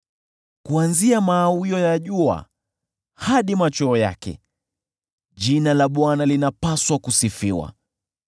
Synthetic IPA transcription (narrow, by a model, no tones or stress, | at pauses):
kuanziamaːwiɔjaʄua̰ | haɗimat͡ʃɔːja̰kɛ̰ | ʄinalaɓwanalinapaswakusifiwa̰